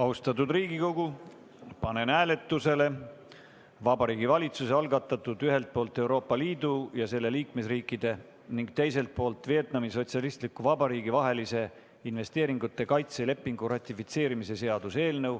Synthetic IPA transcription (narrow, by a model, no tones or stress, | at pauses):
ɑust̪ɑt̪̬ud̪riːɡ̥iko̞ɡ̥u | pɑne̞næːle̞t̪ːuse̞le̞ | vɑbɑɾiːɡivɑlʲit̪suseɑlɡɑt̪ˑːɑt̪ːˑud̪yɦe̞lt̪̚po̞ːlt̪ˑe̞wɾo̞ːpˑːɑliːd̪̥ujɑse̞lːe̞liːkme̞sriːkːˑid̪̥e̞ | niŋɡt̪e̞js̬e̞lt̪̚po̞ːlt̪vie̞t̪nɑmiso̞t̪siɑlist̪likːuvɑbɑɾiːɡivɑɦe̞lise̞ | inve̞st̪eːɾiŋɡut̪ːˑe̞kɑjt̪se̞le̞pːiŋɡuɾɑt̪ʲːˑifit̪se̞ːɾimise̞se̞ɑd̪̥use̞ːlnɤ̞w